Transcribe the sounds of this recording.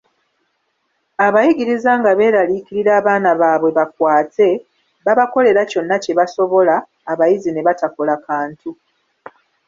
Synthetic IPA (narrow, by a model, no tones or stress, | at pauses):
aβajiɡiɾizaŋɡaβe̞ːɾaliciɾiɾaːβaːnaβaβwe̞βak̚waːte̞ | βaβako̞le̞ɾaco̞nːace̞βaso̞βo̞laː | βajizine̞βatako̞lakaːntu